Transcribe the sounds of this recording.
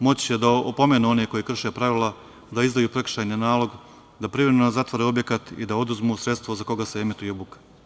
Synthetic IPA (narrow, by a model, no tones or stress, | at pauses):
mo̞t͡ɕjed̪aopo̞me̞ːnuo̞neko̞jikr̩ʃe̞pɾaʋilˠa | d̪aizd̪ajuːpɾe̞kr̥ʃajɲenaːlo̞ɡ | d̪apɾivɾemenozat̪ʋoɾeo̞bje̞kat̪ḭd̪ao̞d̪uzmusɾe̞t̪st̪ʋo̞zako̞ɡase̞emit̪ujeobuke̥